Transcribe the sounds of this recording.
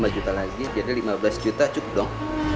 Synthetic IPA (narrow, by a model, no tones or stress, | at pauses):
mad͡ʒut̪alaɡid͡ʒadilimabəlasd͡ʒut̪at͡ʃukudɔŋ